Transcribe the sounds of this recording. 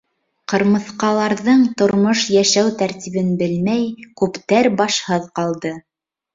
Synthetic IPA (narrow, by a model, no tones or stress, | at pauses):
qɤ̆ɾmɤ̆θqɑlˠɑɾðɤɴt̪ŏɾmoʃjæʃæwt̪æɾt̪iβɘnbɘlmæjkʉpt̪æɾbɑʃhɤðqɑlˠd̪ɤ